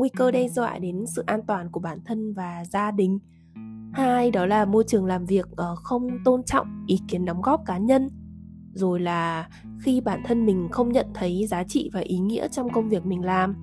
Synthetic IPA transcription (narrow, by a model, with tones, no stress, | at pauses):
ŋwi˧kəː˧ɗe˧zwa̰ː˧˨jɗe˨˦nsɨ̰˧˨ʔaː˧nt̪waː˨˩nku˧˩əɓaː˧˩nt̪ʰə˧nvaː˨˩zaː˧ɗï˨˩ŋ̟ | haː˧jɗɔ˨˦laː˨˩mo˧jt͡ɕɨ˨˩əŋlaː˨˩mvi˨˩ək̚ʔəː˧˩xə˧wŋ͡mt̪o˧nt͡ɕɔ̰˧˨wŋ͡mʔi˨˦ki˨˦ənɗɔ˨˦wŋ͡mɣɔ˦˥p̚kaː˨˦ɲə˧n | zo˨˩jlaː˨˩ | xi˧ɓaː˧˩nt̪ʰə˧nmï˨˩ŋ̟xə˧wŋ͡mɲə̰˧˨nt̪ʰə˨˦jzaː˨˦t͡ɕḭ˧˨vaː˨˩ʔi˨˦ŋḭ˧˥ət͡ɕɔ˧wŋ͡mkə˧wŋ͡mvi˨˩ək̚mï˨˩ŋ̟laː˨˩m